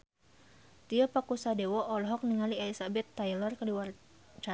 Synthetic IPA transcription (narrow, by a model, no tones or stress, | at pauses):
t̪iɔpakusadɛwɔʔɔlɔɦɔk̚niŋalialisabɛt̪ːajlɔrkədiwar | t͡ʃa